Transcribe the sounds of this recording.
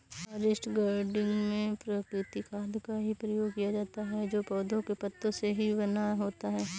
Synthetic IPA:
ɐɾɪsʈɡaːɾɖɪ̃ŋɡmẽpɾəkɾɪt̪ikʰaːd̪kaɦipɾɐjoːɡ̚kijad͡ʒaːt̪aɦɛd͡ʒoːpɔːd̪õkepɐt̪ːõseɦibɐnaɦoːt̪aɦɛː

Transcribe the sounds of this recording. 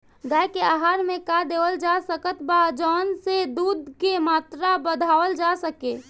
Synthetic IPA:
ɡaːjkeaːɦaːɾmẽkad̪eːʋəld͡ʒasəkət̪bad͡ʒɔːnsed̪uːd̪ʱkemaːt̪ɾabəd̪ʱaːʋəld͡ʒasəke

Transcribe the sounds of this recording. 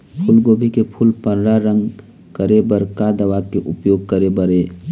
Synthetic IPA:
pʰʊlɡoːbʱikepʰʊlpənɾaɾə̃ŋɡ | kəɾebəɾkad̪əʋakeʔʊpjoːɡ̚kəɾebəɾeː

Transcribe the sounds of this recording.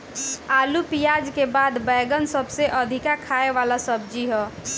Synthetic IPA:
alupijad͡ʒkebad̪bəjɡənsəbseʔəd̪ʱikakʰaeʋalasəb̚d͡ʒiɦɔ

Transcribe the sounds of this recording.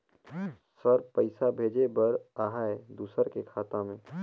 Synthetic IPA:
səɾpəɪsabʱeːd͡ʒebɐɾaːɦaed̪uːsəɾkekʰaːt̪ãmẽː

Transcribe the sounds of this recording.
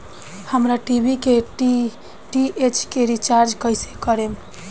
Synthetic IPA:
həmɾaʈibikeʈ | ʈiʔet͡ʃkeɾit͡ʃaɾd͡ʒkəjsekəɾem

